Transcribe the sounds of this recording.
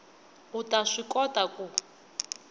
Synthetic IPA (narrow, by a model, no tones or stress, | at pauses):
utaʂikɔtʼaku